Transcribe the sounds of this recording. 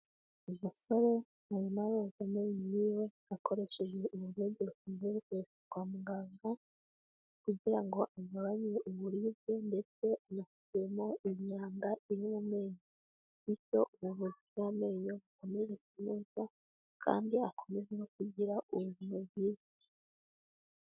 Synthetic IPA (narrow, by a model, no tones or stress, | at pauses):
umuso̞ɾe̞ | ajimaβozameɲiniːwe̞ | akʰo̞ɾe̞ʃe̞ʒe̞ʔuβuɾeɟeɾutimeβukuɾekaɡwaːmuŋɡaːŋɡa | kuɟiɾaŋɡo̞ʔaɡaβaɲiɾeʔuβuɾive̞nde̞t͡se̞anafu̥tijemo̞ʔimɲaːŋɡaiɾimume̞ːɲo | ico̞ʔumuβuziɡwame̞ːɲoβuko̞me̞ʒekumusa | kʰa̰ːndiakʰo̞me̞zeno̞k̚uɟiɾauβuβinoβɡiːzi̥